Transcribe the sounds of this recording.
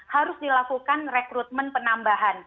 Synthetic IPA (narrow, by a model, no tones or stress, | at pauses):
haɾʊsdilakukanrekɾut̪̚mənpənambaɦan